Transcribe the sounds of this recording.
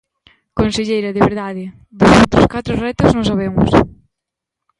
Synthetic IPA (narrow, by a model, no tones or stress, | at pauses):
konseʎejɾɐðeβeɾðaðɪ | d̪osowt̪ɾoskat̪ɾʊrɛt̪oznõsaβ̞eŋʊ̰s